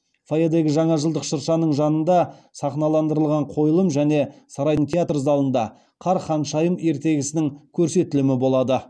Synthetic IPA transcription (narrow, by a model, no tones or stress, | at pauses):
fojed̪e̞ɡʲɪʒɑɴɑʒəlˠd̪əqʃəɾʃɑnəɴʒɑnənd̪ɑsɑχnɑlˠɑnd̪əɾəlˠʁɑɴqʰo̞jəlˠəmʒæne̞sɑɾɑjd̪əŋt̪ʰʲeat̪rzɑlˠənd̪ɑ | qʰɑɾχɑnʃɑjəme̞ɾt̪e̞ɡʲɪsɪnɪŋkʲʰɵɾse̞t̪ɪlɪmɪbo̞lˠɑd̪ə